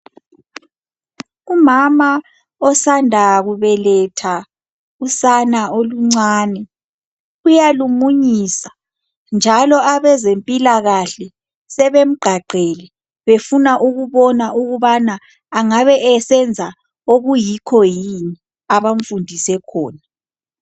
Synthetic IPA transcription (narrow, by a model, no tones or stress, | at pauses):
umama | ɔsandʱaɣuβɛlɛtʰa | usanaoluŋ͡ǀaːnɛ | ujalumuɲisḁ | nd͡ʒʱalɔaβɛzempʼilaɣaɬɛ | sɛβem̩ɡ͡ǃʱaǃʱɛlɛ | βefunaʔuɣuβɔnaʔuɣuβanaː | ŋaβɛʔɛsɛnd͡zʱa | oɣujikʰɔjini | aβaɱ̩fundʱisɛkʰɔːna